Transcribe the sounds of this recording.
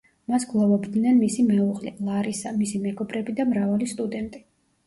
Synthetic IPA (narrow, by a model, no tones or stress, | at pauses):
masɡlˠɔvɔbd̪nɛnmisimɛuʁlḭlˠaɾisamisimɛɡɔbɾɛbid̪amɾavalist̪ʼud̪ɛnt̪ʼi